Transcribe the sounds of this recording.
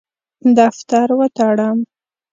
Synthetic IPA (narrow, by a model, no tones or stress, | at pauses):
d̪aft̪aɾwət̪aɽam